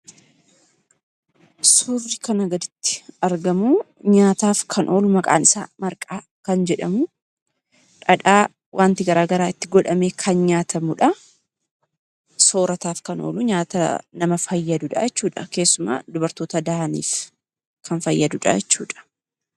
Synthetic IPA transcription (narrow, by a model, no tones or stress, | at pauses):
sʊrːɪkɐnɐɡɐd̪ɪt̪ːɪ̥ɐɾɡɐmu | ɲaːt̪aːfkʰɐnʔo̞ːlʊmɐkʼa̰ːnɪsa̰ːmɐɾkʼaː | kɐnd͡ʒɛᶑɐmʊ | ᶑɐᶑaː | wʔaːnt̪ɪɡɐɾaːɡɐɾaːɪt̪ːɪɡɔᶑɐme̞ːkʰɐnɲaːt̪ʰɐmʊᶑɐ | so̞ːɾɐt̪aːfkɐno̰ːlʊɲaːt̪ɐnɐmɐfɐjːɐd̪ʊᶑɐ̰jɛt͡ʃːuːᶑɐke̞ːsːʊma̰ːd̪ʊbɐɾt̪o̞ːt̪ɐd̪ahɐnḭːf | kʰɐnfɐjːɐd̪ʊᶑɐ̰jɛt͡ʃːuːᶑɐ̥